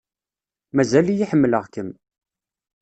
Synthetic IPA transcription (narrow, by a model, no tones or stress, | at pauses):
mæzælijiħəmːləʁkəm